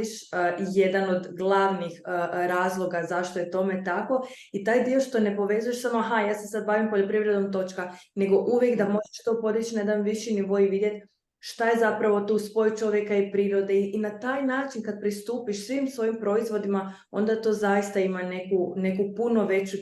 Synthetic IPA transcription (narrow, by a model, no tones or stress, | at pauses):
iʃje̞d̪ano̞d̪ɡlˠaʋnixɾaːzlˠo̞ɡazaʃt̪ojet̪o̞me̞t̪ako̞ | it̪aːjd̪io̞ʃt̪o̞ne̞po̞ʋe̞zujeʃsamoaɦajaːsesad̪̚baːʋimpoʎo̞pɾiʋɾe̞d̪o̞mt̪o̞t͡ʃkaneɡo̞ʔuʋje̞kd̪amo̞ʒeʃt̪opo̞d̪it͡ɕnaje̞d̪anʋiʃiniʋo̞jʋid̪je̞t̪ | ʃt̪aje̞zapɾaʋo̞t̪uːspo̞jut͡ʃo̞ʋje̞kaipɾiːɾo̞d̪e̞inat̪aːjnaːt͡ʃinkad̪̚pɾist̪uːpiʃsʋimsʋo̞impɾo̞izʋo̞d̪ima | o̞̰nd̪at̪o̞ːzajist̪aimane̞kune̞kupuno̞ʋe̞t͡ɕu